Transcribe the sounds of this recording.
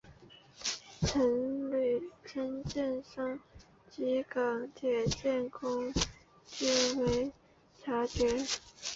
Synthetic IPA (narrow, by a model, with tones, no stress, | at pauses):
ʈ͡ʂʰə˧˥nly˨˩ʈ͡ʂʰə˥nt͡ɕjɛ˥˩nʂɑ˥ŋ | t͡ɕi˧˥kɑ˨˩ŋt̪ʰjɛ˨˩t͡ɕjɛ˥˩nkʰʊ˥ŋ | t͡ɕy˥nwe˧˥ɪ | t͡ɕʰa˧˥t͡ɕɥɛ˧˥